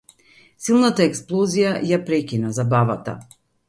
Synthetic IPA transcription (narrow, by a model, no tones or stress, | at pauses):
silˠnat̪aɛksplˠɔzijajapɾɛkʲinazabavat̪a̰